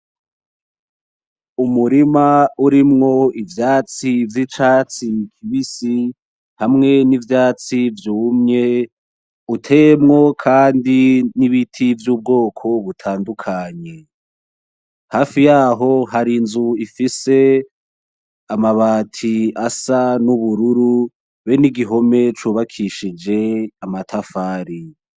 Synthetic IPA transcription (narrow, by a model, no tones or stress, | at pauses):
umuɾimauɾimŋo̞ivjaːt͡sivjit͡ʃaːt͡sikʰiβisi | hamŋe̞nivjaːt͡sivjuːmɲe̞ | utʰe̞mŋo̞kʰaːndiniβitʰivjuːb̚ɡo̞ːkʰo̞βutʰaːndukʰaːɲe̞ | haːfijaːɦo̞ɦaɾinzuifise̞ | amaβaːtʰiasanuβuɾuɾu | βeniɡiɦo̞me̞t͡ʃuːβakʰiʃid͡ʒe̞amatʰafaːɾi